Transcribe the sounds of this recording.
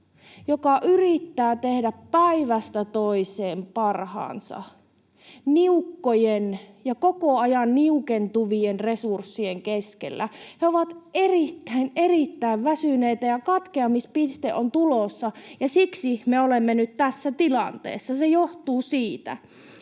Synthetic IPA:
jokɑʔyrit̪ːæːt̪ehdæppːæiʋæst̪æt̪oiseːmpɑrhɑ̰ːnsɑ̰ | niukːojenjɑkokoɑjɑnniukent̪uʋienresursːieŋkeskḛlːæheoʋɑt̪ʔerit̪ːæinerit̪ːæiʋʋæsyneit̪æjɑkɑt̪keɑmispist̪ḛʔont̪ulosːɑjɑsiksimeolemːenyt̪t̪æsːæt̪ilɑnt̪ḛːsːɑsejoht̪uːsiːt̪æ̰

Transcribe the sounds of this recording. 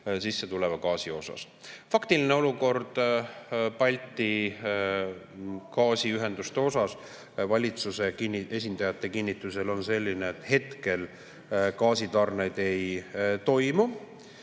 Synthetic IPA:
sisːe̞t̪ule̞vɑkɑːsio̞sɑ̰s | fɑkt̪iline̞o̞luko̞rd̪̥ | pɑlʲt̪ːˑi | kɑːsiyɦe̞nd̪ust̪eo̞sɑs | vɑlʲit̪suse̞inːe̞s̬ʲind̪̥ɑjɑt̪ːˑe̞kinʲːit̪ːˑuse̞lo̞nse̞lʲːine̞ːt̪ˑhe̞t̪ke̞l | kɑːsit̪ɑrnejd̪̥e̞jt̪o̞jmu

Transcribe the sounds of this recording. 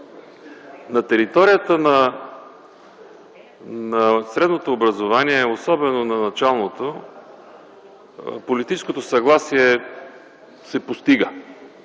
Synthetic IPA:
nɐt̪ɛɾit̪ɔɾijət̪ənɐ | nɐsɾɛd̪not̪oːbɾɐzovaniɛosɔbɛnonɐnɐt͡ʃalˠnot̪o | polit̪it͡ʃɛ̥skot̪osɐɡlˠasiɛ | sɛpost̪iɡə

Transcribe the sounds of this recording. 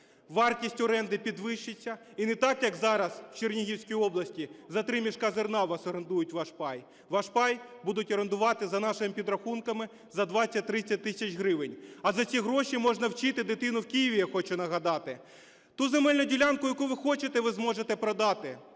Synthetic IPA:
ʋɑrtʲisʲtʲɔɾɛnd̪ɪpʲid̪ʋɪʃɪt͡sʲːɐ | inɛt̪ɑkjɐkzɑɾɐswt͡ʃernʲiɦʲiwsʲkijiɔblˠɐsʲtʲizɐt̪ɾɪmʲiʃkɑzernɑʋɐsɔɾend̪ujʊtʲʋɑʃpɑj | ʋɑʃpɑjbud̪ʊtʲɔɾend̪ʊʋɑt̪ɪzɐnɑʃɪmɪpʲid̪ɾɐxunkɐmɪ | zɐd̪ʋɑt͡sʲːɐt̚ʲt̪ɾɪt͡sʲːɐt̚ʲt̪ɪsʲɐt͡ʃɦɾɪʋɪnʲɐzɐt͡sʲiɦɾɔʃimɔʒnɐwt͡ʃɪt̪ɪd̪ɪt̪ɪnʊwkʲijiʋʲijaxɔt͡ʃɛnɐɦɐd̪ɑt̪ɪ | t̪uzemɛlʲnʊdʲilʲankʊjɐkuʋɪxɔt͡ʃet̪ɛʋɪzmɔʒet̪ɛpɾɔd̪ɑt̪ɪ

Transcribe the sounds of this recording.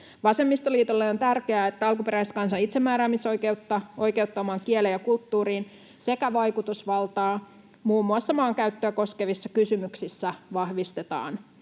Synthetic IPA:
ʋɑse̞mːist̪oliːt̪olːeo̞nt̪ærkeæːet̪ːæɑlkupe̞ɾæiskɑnsɑit̪semːæːɾæːmisojkeut̪ːɑo̞jkeut̪ːɑomɑːŋkielejɑkult̪ːuːɾiːn | se̞kæʋɑjkut̪usʋɑlt̪ɑː | muːmːuɑsːɑmɑːŋkæyt̪ːøːko̞ske̞ʋisːɑkysymyksisːæʋɑhʋist̪e̞t̪ɑ̰ːn

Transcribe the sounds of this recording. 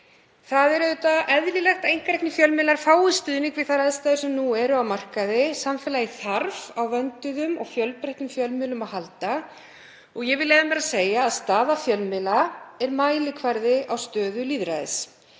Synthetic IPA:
θaðɛɾɛʏt̪aʔɛðlilɛxt̪ejŋ̥kɾɛhknɪfjœlmɪlaɾ̥faːwɪst̪ʏðniŋkvɪð̥θaɾaðst̪aðʏsɛmnuɛɾʏawmar̥kaðɪsamfɛːlajɪθaɾvawvœnt̪ʏðʏmɔ̰ɣfjœlpɾɛht̪nʏmfjœlmɪlʏmaðhalt̪a | ɔɣjɛɣvɪðlɛːðamɛɾaseːjaːðst̪aːðafjœlmɪlaɛɾmaːjlɪkʰvaɾðɪʔawst̪œːðʏliːðɾaðɪ̰s

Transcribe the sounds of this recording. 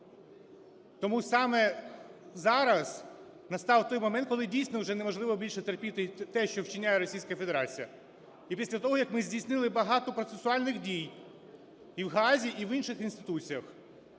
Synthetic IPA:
t̪ɔmusɑmɛ | zɑɾɐz̥ | nɐst̪ɑwt̪ɔjmɔmɛnt̪kɔlˠɪdʲijsʲnɔwʒɛnemɔʒlˠɪʋɔbʲilʲʃɛt̪erpʲit̪ɪt̪ɛʃt͡ʃɔwt͡ʃɪnʲajɛɾɔsʲijsʲkɐfe̞d̪eɾɑt͡sʲijɐ | ipʲisʲlʲɐt̪ɔɦɔjɐkmɪzʲdʲijsʲnɪlˠɪbɐɦɑt̪ɔpɾɔt̪sesʊɑlʲnɪxdʲij | iwɦɑzʲiʔiʋinʃɪxinst̪ɪ̥t̪ut͡sʲijɐx

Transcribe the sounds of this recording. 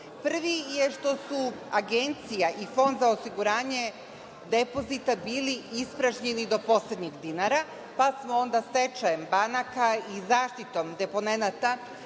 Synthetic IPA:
pr̩ʋijeʃt̪o̞suaɡe̞nt̪sijaʔifo̞nd̪zaosiɡuɾaːɲe̞ | d̪e̞po̞zit̪abiːliispɾaʒɲenid̪o̞po̞sle̞d̪ɲiɡd̪inaɾa | pasmoo̞nd̪ase̞t͡ʃajembanakaizaːʃt̪it̪o̞md̪e̞po̞ne̞nat̪a

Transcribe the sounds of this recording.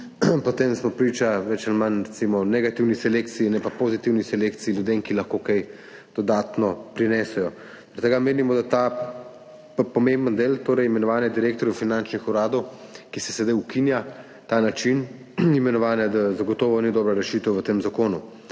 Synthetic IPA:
pɔt̪emsmɔpɾiːt͡ʃaʋɛt͡ʃɛnmanɾɛt̪simɔnɛɡat̪iwnisɛleːk̚t̪siinɛpapozit̪iwnisɛlekt̪siiljud̪eːmkilɐxkokɛj | d̪̥ɔd̪aːt̪nɔpɾinɛːsɛjɔ | ɾɛt̪ːəɡameːnimɔd̪at̪a | pɔmembənd̪eːlt̪oːɾɛjimɛnɔʋaːnɛd̪iɾeːkt̪ɔɾjufinant͡ʃnixuɾaːd̪ɔwkisɛsɛd̪ajukinja | t̪aːnat͡ʃin | imɛnɔʋaːnɛd̪azaɡɔt̪ɔːʋɔnid̪ɔːbɾaɾɛʃit̪əwʋət̪eːmzakoːnu

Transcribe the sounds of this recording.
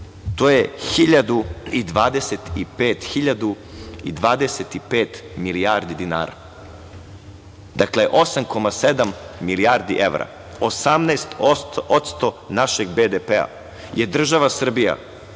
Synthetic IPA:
t̪oːjexiʎad̪uid̪ʋaːd̪e̞set̪ipeːt̪xiʎad̪u | ḭd̪ʋaːd̪eset̪ipeːt̪miliaːɾd̪id̪ina̰ːɾa̰ | d̪akleʔo̞samko̞mased̪amːiliaɾd̪iʔeʋɾa̰ | osamnɛːst̪oot̪st̪o̞naʃeɡbed̪epea̰ | jed̪r̩ʒaʋasr̩bija̰

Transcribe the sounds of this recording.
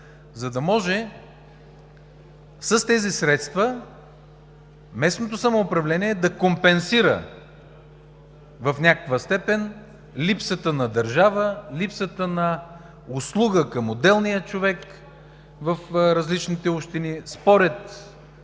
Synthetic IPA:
zɐd̪ɐmɔʒɛ | səst̪ɛzisɾɛt̪st̪və | mɛsnot̪osɐmoːpɾɐvlɛniɛːd̪ɐkompɛnsiɾə̰ | vɐfnʲakəkvəst̪ɛpɛn | lipsət̪ənɐd̪ɐɾʒavəlipsət̪ənɐ | ʊslˠuɡəkɐmod̪ɛlˠnijət͡ʃovɛk | vəfɾɐzlit͡ʃnit̪ɛuʃt̪inispɔɾɛt̪

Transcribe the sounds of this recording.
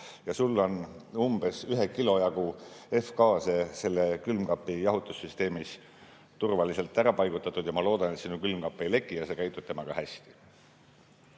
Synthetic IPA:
jɑsulːo̞n | umb̥e̞syɦe̞kilo̞jɑɡ̥ue̞fkɑːse̞se̞lːekylmkɑpːˑijɑɦut̪ːˑusːyst̪e̞ːmis | t̪urvɑlise̞lt̪ːˑæɾɑpɑjɡ̥ut̪ːˑɑt̪ːˑud̪jɑmɑlo̞ːd̪̥ɑnet̪sinukylmkɑpˑːejle̞ɡːˑijɑse̞kæjt̪ːˑub̥̚t̪e̞mɑɡ̥ɑhæsʲt̪i̥

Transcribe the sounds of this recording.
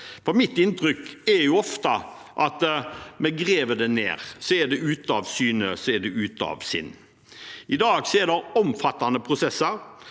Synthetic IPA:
fɔɾmɪt̪ːɪnt̪ɾʏkɛɾjʊɔft̪ɑ | ʔɑt̪mɛɡɾeːʋəɖ̪ɛnḛːɾsɔɛd̪ɛʉːt̪ɑʋsyːnəsɔɛɖ̪ɛʉːt̪ɑ̰ʋsɪ̰nː | ɪd̪ɑːɡsɛd̪ɛɾɔmfɑt̪ːɑnəpʰɾʊsɛsːəɾ

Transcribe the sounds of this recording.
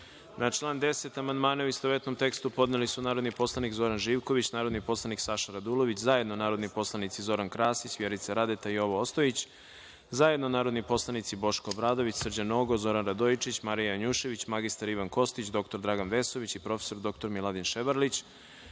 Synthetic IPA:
nat͡ʃlˠaːnd̪e̞set̪amand̪maːnauist̪oʋet̪no̞mt̪e̞kst̪upo̞d̪nelisunaːɾo̞d̪nipo̞slˠanikzo̞ɾanʒiːʋko̞ʋit͡ɕnaːɾod̪nipo̞slˠaniksaʃaɾad̪ulˠo̞ʋit͡ɕzaje̞d̪nonaːɾo̞d̪nipo̞slˠanit̪sizo̞ɾankɾaːsisʋjeɾit̪saɾad̪et̪aio̞ʋoost̪ojit͡ɕ | zaje̞d̪nonaːɾo̞d̪nipo̞slˠanit̪sibo̞ʃkoːbɾaːd̪o̞ʋit͡ɕsr̩d͡ʑanoɡozo̞ɾanɾad̪ojt͡ʃit͡ɕmaɾijaaɲuʃe̞ʋit͡ɕmaɡist̪aɾiʋanko̞st̪it͡ɕd̪o̞kt̪oɾd̪ɾaɡanʋe̞so̞ʋit͡ɕipɾo̞fe̥so̞ɾd̪o̞k̚t̪o̞ɾmilˠad̪inʃebaɾlit͡ɕ

